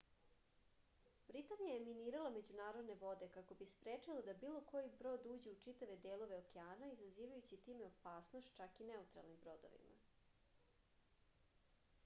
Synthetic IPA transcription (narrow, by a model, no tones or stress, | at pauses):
bɾit̪anijajeminiːɾalˠame̞d͡ʑunaːɾod̪ne̞ʋo̞d̪e̞kako̞bispɾeːt͡ʂilad̪abiːlˠo̞ko̞jibɾo̞ːd̪uːd͡ʑeut͡ʂit̪aʋe̞d̪eːlˠo̞ʋe̞okeaːnaizaziːʋajut͡ɕit̪iːmeo̞paːsnost̪t͡ʃakineut̪ɾa̰lnimbɾo̞d̪o̰ʋḭma̰